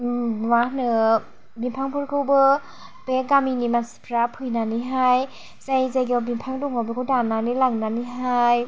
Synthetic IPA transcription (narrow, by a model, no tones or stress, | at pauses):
wanɯ | bimpʰaŋpʰɯɾkʰɯwbɯ | b̥eɡaminimansi̥pʰɾapʰɯjnaniɦaj | sajzajɡɯwbimpʰaŋduŋawbekʰɯdananilaŋnaniɦaj